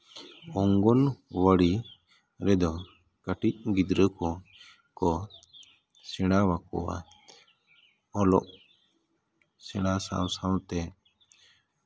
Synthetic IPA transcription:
ɔŋɡɔnwəɽi | ɾɛd̪ɔ | kəʈic̚ɡid̪ɾəkɔ | kɔ | sɛɽ̃awakɔ̰wa̰ | ɔlɔ̰ʔ | sɛɽ̃asa̰wsawt̪ɛ

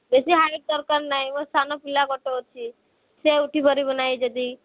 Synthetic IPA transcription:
bɛsiɦaek̚d̪əɾkaɾnaɦiʋəsanopilakɔʈoɦot̪̚t͡ʃʰi | seuʈibəɾibənaid͡ʒəd̪i

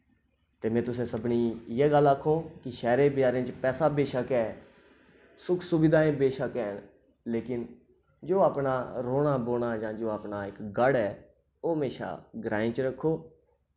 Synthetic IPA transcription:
t̪eːmɛ̃ːt̪ʊs̬ẽːsəbniːjeːɡəlːəkʰːõːkɪʃɛːɾẽːbɪjaːɾẽːt͡ʃpɛːsaːbeːʃəkɛː | sʊkʰsʊbɪd̪aːẽːbeːʃəkɛːn | leːkɪn | d͡ʒoːaːpnaːɾoːɽ̃aːboːnaːd͡ʒãːd͡ʒoːaːpnaːɪkɡəɽɛː | oːɦəmeːʃa̰ːɡɾaːĩːt͡ʃɾəkʰːoː

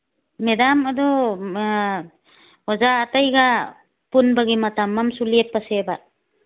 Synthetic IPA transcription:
medamadɔ | wazaːtajɡa | punbaɡimatamːamsuliep̚paseba

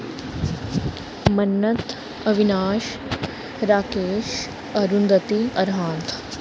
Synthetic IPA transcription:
mɐnːɐt̪ | ɐʋinaːʃ | ɾaːkeːʃ | ɐɾund̪ət̪iɐɾɦãːt̪

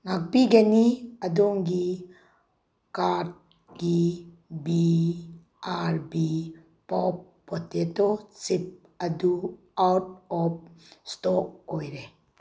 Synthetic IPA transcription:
ŋak̚biɡeniədɔŋɡi | kad̚ | ɡi | bi | ʔaɾbi | pɔp̚ːɔtetɔt͡sip̚ | adu | awt̚ɔp̚stɔkɔjɾe

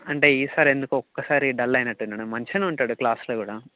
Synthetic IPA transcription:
ɐɳʈeiːsaːɾiend̪ukːɨɔkːɐsaːɾiɖɐlːɐjnɐʈːunːɐːɳɨmɐɲt͡ʃɐnuuɳʈaːɽuklaːsɐlɐkuːɽɐ

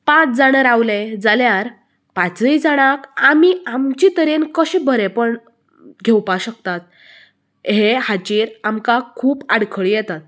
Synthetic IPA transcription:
pãt͡sd͡zaɽ̃əɾawled͡zaljaɾ | pãt͡səid͡zaɽ̃akamiamt͡ɕit̪əɾenkəɕĩbʱəɾepəɳ | ɡʱewpaɕək̚t̪at̪̚ | ɦehat͡ɕiɾamkakʰuːpaɽkʰəɭijɛt̪at̪̚

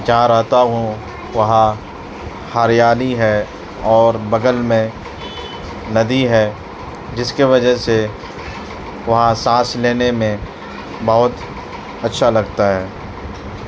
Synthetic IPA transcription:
d͡ʒɐɦãɾɐɦt̪aɦũ | ʋɐɦã | haːɾjaːliɦɛ | ɔːɾbɐɡəlmẽ | nɐd̪iɦɛː | d͡ʒɪskeʋɐd͡ʒəɦse | ʋɐɦãsãːsleːnemẽ | bɐɦʊt̪ | ɐtːʃʰalɐɡt̪aɦɛː

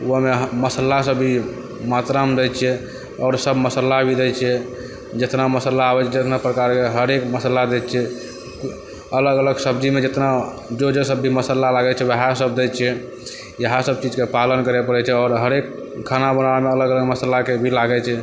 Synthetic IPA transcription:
umeɦməsəlasəbʱi | mat̪ɾamd̪ɛt͡ʃʰɛ | ɔːɾsəbməsəlːabʱid̪ɛt͡ʃʰɛ | d͡ʒet̪naməsəlaːbɛt͡ʃʰɛd͡ʒet̪napɾəkaɾkeɦəɾekməsəlad̪ɛt̪t͡ʃʰɛ | ələɡələɡsəb̚d͡ʒimed͡ʒet̪na | d͡ʒod͡ʒesəbːʱiməsəlːalaɡɛt͡ʃʰɛwəɦasəb̚d̪ɛt͡ʃʰɛ | jəɦasəb̚t͡ʃid͡ʒkepalənkəɾɛpəɾɛt͡ʃʰɛɔːɾɦəɾek | kʰːanabənameələɡələɡməsəlakebʱilaɡɛt͡ʃʰɛ

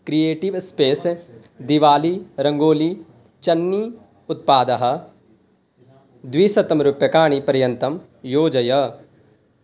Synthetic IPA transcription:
kɾijeːʈiʋspeːs | d̪iʋaːliɾɐ̃ŋɡoːli | t͡ʃɐnːi | ʊt̪̚paːd̪ɐɦɐ̆ | d̪ʋiːsɐt̪ɐmɾʊpjɐkaːɽ̃ipɐɾjɐ̃nt̪ɐm | joːd͡ʒɐjɐ

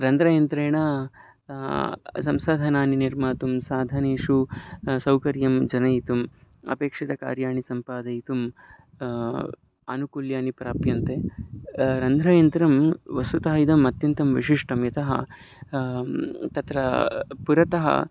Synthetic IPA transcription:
ɾɐnd̪ʱɾaːjɐnt̪ɾɐjɳɐ | sɐmsaːd̪ʱɐnaːniniɾmaːt̪umsaːd̪ʱɐneːʂusɐwkɐɾjɐmd͡ʒɐnɐjit̪umɐ̰peːkʂit̪ɐka̰ːɾjaːɳisɐmpaːd̪ɐjit̪um | ɐ̰nukuljaːnipɾaːpjɐnt̪e | ɾɐnd̪ʱɾaːjɐnt̪ɾɐmʋɐsut̪ɐɦɐid̪ɐmɐt̪jɐnt̪ɐmʋiʂiʂʈɐmjɐt̪ɐɦɐ̰ | t̪ɐt̪ɾɐpuɾɐt̪ɐɦɐ̰

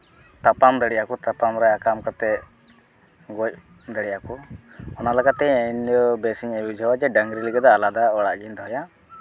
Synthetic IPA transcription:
t̪apamd̪əɽɛjakɔt̪apamɾaakamkat̪ɛ | ɡɔc̚ | d̪əɽɛjakɔ | ɔnalaɡat̪ɛɛnɔbɛsiɲɛbid͡ʒʱawad͡ʒɛɖəŋɡɾiləɡad̪ɔːlad̪aɔɽaʔɡind̪ɔɦja

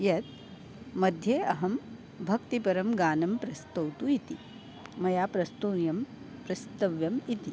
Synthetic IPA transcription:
jɐt̪ | mɐd̪ʱjeːɐɦɐm | bʱɐkt̪ipɐɾɐmɡaːnɐmpɾɐst̪ɐwt̪uit̪i | mɐjaːpɾɐst̪ujɐm | pɾɐst̪ɐʋjɐmit̪i

